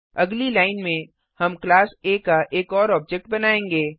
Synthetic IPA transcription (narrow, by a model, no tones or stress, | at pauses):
ɐɡlilaːɪnmẽ | hɐmklaːseːkaʔeːkɔːɾɔːb̚d͡ʒɛk̚ʈ̚bɐnaːẽːŋɡeː